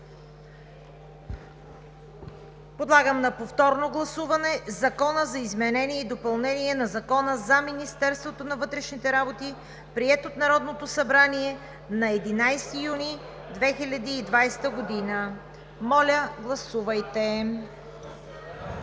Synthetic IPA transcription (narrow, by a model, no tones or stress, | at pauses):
pod̪lˠaɡəmnɐpoft̪ɔɾnoɡlˠɐsuvɐnɛzɐkɔnəzɐizmɛnɛniɛid̪opɐlˠnɛniɛnɐzɐkɔnəzɐminist̪ɛɾst̪vot̪onɐvɤt̪ɾɛʃnit̪ɛɾabot̪i | pɾiɛt̪ot̪nɐɾɔd̪not̪osɐbɾaniɛ | nɐɛd̪inajst̪ijuni | d̪vɛxilʲɐd̪iːd̪vajst̪əɡod̪inə | mɔlʲəɡlˠɐsuvɐjt̪ɛ